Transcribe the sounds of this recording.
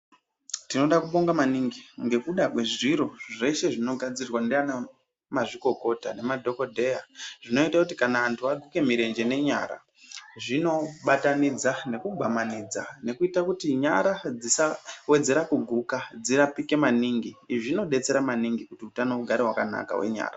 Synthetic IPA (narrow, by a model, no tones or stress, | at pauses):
tino̞ɗakuɓo̞ŋɡamaniŋɡiŋɡe̞kuɗakwe̞ʐiɾo̞ʐe̞ʃe̞ʐino̞ɡʱad͡zirwandeana | maʐiko̞ko̞tane̞madʱo̞ko̞dʱe̞jaʐ̥ino̞itakutikanaantʰuaɡʱuke̞miɾe̞nd͡ʒe̞ne̞ɲa̰ɾa̰ | ʐino̞ɓatanid͡zane̞kubʱamanid͡zane̞kuitakutiɲaɾad͡zisawe̞d͡ze̞ɾakuɡʱukad͡ziɾapike̞maniŋɡiʐino̞ɗe̞t͡se̞ɾamaniŋɡikutiutanouɡʱaɾeɦwakana̰ka̰wḛɲa̰ːra